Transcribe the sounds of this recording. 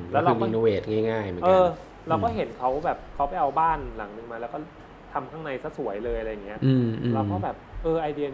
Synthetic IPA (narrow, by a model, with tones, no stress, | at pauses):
klːɾaɯː˧m˧i˧nu˧weː˨˩t̪̚ŋaː˥˩jŋaː˥˩jmɯ˦ʔɤkː | la˧wkɔː˥˩ɦe˩˦nkʰa˦˥wbɛː˨˩p̚kʰa˦˥wpa˨˩jʔa˧wbaː˥˩nla˩˦ŋnɯ˧ŋmaː˧lɛː˦˥wkɔː˥˩ | t̪ʰa˧mkʰaː˥˩ŋna˧jsa˧˩su˨˩˦əjlɤː˧jʔa˧ɾa˧jːa˨˩ŋi˦˥ɐ˥˩ʔɯː˧mʔlɛː˧˥kɔː˥˩bɛː˨˩p̚ʔɤː˧ʔa˧jdi˧n